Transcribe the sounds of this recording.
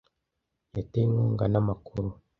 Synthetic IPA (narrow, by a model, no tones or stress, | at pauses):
jateŋuːŋɡanamakuɾu